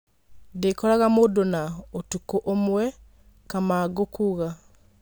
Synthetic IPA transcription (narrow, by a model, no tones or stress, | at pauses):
dekolaɣamudonaotukoʔomwe | kamaːɡokuɣa